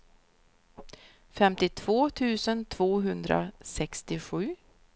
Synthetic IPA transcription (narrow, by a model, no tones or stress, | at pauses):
fɛmt̪ɪt̪ʰv̥oːt̪ʰʉ̟ːsənt̪ʰv̥oːɦɵnd̪ɾa̰sɛkst̪ɪɧʉ̟ː